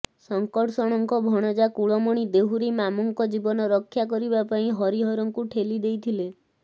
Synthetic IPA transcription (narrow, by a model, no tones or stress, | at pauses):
sɔŋkɔʈʰsɔɽ̃ɔŋkɔbʱɔɽ̃ɔd͡ʒakuɭɔmɔɽ̃id̪eɦuɾimamɔŋkɔd͡ʒibɔnɔɾɔkʰːjakɔɾibapaĩɦɔɾiɦɔɾɔŋkuʈʰelid̪ejt̪ʰile